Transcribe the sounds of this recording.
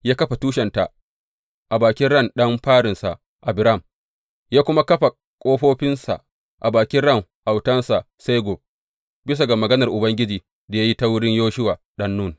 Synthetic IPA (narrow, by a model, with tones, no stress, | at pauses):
jaː˦kɐ˦ɸa˨tuː˦ʃɛ˨nta˨ | ʔa˨baː˨kʲɪ˦nɽɐ˦˨nɗɐ˦mɸaː˦ɽɪ˨nsa˨ʔ | ʔa˨bɪ˨ɾa˦˨m | jaː˦kʷʊ˦ma˦kɐ˦ɸa˨ | kʷʼoː˦ɸoː˦ɸɪ˦nsa̰˨ʔ | ʔa˨baː˨kʲɪ˦nɽɐ˦˨ŋʔa˨wtɐ˦nsa˨ | se˦ɡo˨ | bɪ˦s̬a˨ɡa˨mɐ˨ɡɐ˦nɐ˨rʔʊ˨bɐ˦ŋɡʲɪ˦d͡ʒiː˨ | da˨ja˦ji˦ta˦wʊ˦ɽɪ˦ɲjoː˦ʃɪ˦waː˨ | ɗɐ˦nːʊ˦˨n